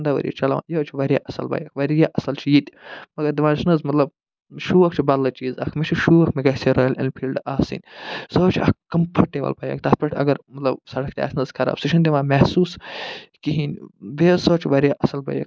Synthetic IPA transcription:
nd̪aʋɐ̰ɾʲijḭt͡ʃɐlɐʋa̰ːjoːt͡ʃʰiʋɐɾja̰ʔɐsɐ̰lbɐ̰jɐkʰʋɐɾjaʔɐsɐlt͡ʃʰijit̪ʲmɐɡɐɾd̪iʋãːnʃnɐzmɐt̪lɐb | ʃuːɐkt͡ʃʰibɐllːɐt͡ʃiːzɐ̰kʰmet͡ʃʰiʃuːʋɐkʰmeɡɐseɾɐːjlḭnpʰiːlɖaːsḭnʲsoːt͡ʃʰiɐ̰kkːɐmpʰɐʈːeʋɐ̰lpɐjɐ̰ːk̚t̪ɐːt̪̚pʰɐʈʰʲɐ̰ɡɐɾmɐt̪lɐbsɐɽɐk̚t̪ʲa̰ːsnɐzkʰɐɾa̰ːbsiʃɐnd̪ʲeʋãːmɛhsuːskiɦiːnʲbeːsoːt͡ʃʰiʋɐɾjaʔɐsɐlbɐ̰jɐ̰k

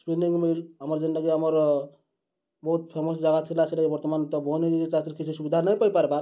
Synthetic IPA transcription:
spiniŋɡmilɦaməɾd͡ʒind̪əɡiɦaməɾ | bɔɦut̪̚pʰemosd͡ʒaɡat̪ʰilat͡ʃʰilaibɔɾt̪ɔmant̪ɔboniɡiit͡ʃat̪iɾkit͡ʃʰisubid̪ʱanəjpəjpaɾepaɾ

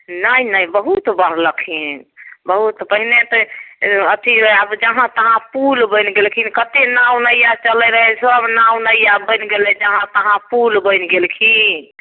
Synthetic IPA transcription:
nəinəjbəɦut̪baɾləkʰibəɦut̪pəɦinet̪əət̪ʰiabd͡ʒəɦãt̪əɦãpulbə̃jnɡelkʰinkət̪enãw̃nəjat͡ʃəlɛɾəɦɛsəbnaw̃nəjabənɡelɛd͡ʒəɦãt̪əɦãpulbəɪnɡelkʰi

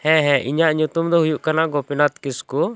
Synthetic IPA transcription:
hɛ̃ɦɛ̃ʔiɲaʔɲut̪umd̪ɔɦujuʔkanaɡɔpɛnat̪kisku

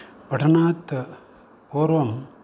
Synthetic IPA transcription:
pɐʈʰɐnaːt̪ | poːɾʋɐm

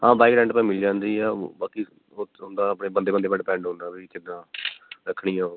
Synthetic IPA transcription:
ɦãːbaːɪkɡɾɛːɳɖpãĩːmɪld͡ʒãːnd̪iːɛːbaːkiː | oːɦʊ̃nd̪aːəpɳeːbənd̪eːbənd̪eːbəɖpɛ̃ːɳɖɦʊ̃nd̪aːbiːkɪd̪ãːɾəkʰɽiːoː

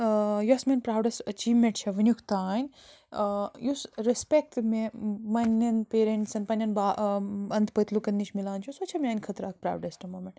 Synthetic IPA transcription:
josmenpɾaːwɖɐsʈɐt͡ʃiːʋmẽɳʈ̚t͡ʃʰɐʋɐnʲjukʰt̪aːnʲ | jusɾespek̚t̪memɐnʲːɐnpeːɾeɳʈsɐnpɐnʲjɐnbaːɐnt̪pət̪lukɐnːiʃmilaːnt͡ʃʰjusot͡ʃʰɐmeaːnʲkʰɐt̪ɾaːk̚pɾa̰ːwɖɐsʈɐmoːmeɳʈ

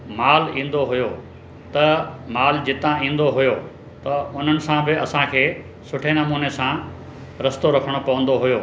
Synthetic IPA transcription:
maːlĩːn̆d̪oɦʊjo | t̪ɐmaːld͡ʑɪt̪ãĩːn̆d̪oɦʊjo | t̪ɐʊn̤ənɪ̆sãbɪɐsãkʰeː | sʊʈʰenɐmuːnesã | ɾɐst̪oɾɐkʰəɽ̃opɐʋə̃nd̪oɦʊjoː

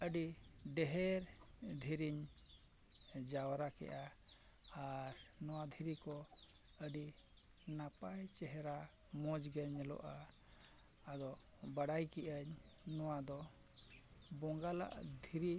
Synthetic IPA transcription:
əɖiɖɛɦɛɾd̪ʱiɾiɲ | d͡ʒawɾakɛ̰ʔaː | ɾnɔwad̪ʱiɾikɔ | əɖi | napajt͡ʃɛɦɛɾa | mɔd͡ʒɡɛɲlɔ̰ʔa | d̪ɔ | baɽajkɛʔəɲ | nɔwad̪ɔ | bɔŋɡala̰ʔd̪ʱiɾi

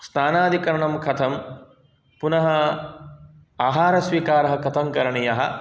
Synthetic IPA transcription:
snaːnaːd̪ʱikɐɾɐɳɐmkʰɐt̪ʰɐm | punɐɦɐ | aːɦaːɾɐsʋiːkaːɾɐɦɐkɐt̪ʰɐŋkɐɾɐɳijɐɦɐ̰

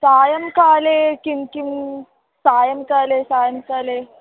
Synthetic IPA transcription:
sajəmkalekinkim | sajəmkalesajəmkale

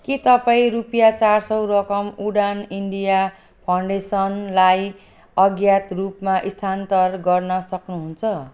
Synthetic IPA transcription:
kit̪ʌpaĩɾupjat͡sarsʌwɾʌkʌmuɽaniɳɖija | pʰawɳɖesʌnlaj | ʌɡjat̪rupmaʔist̪ʰant̪ʌrɡʌrnʌsʌknuɦunt͡sʰʌ

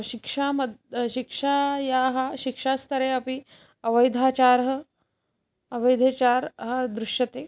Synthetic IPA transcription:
ɕikʂamɐd̪ɕikʂajaɦaɕikʂast̪ʰəɾeɐpi | ɐʋəjd̪ʱaːt͡ɕaɾɦɐ | ɐʋəjd̪ʱet͡ɕaːɾɦad̪ɾuʂjɐt̪eː

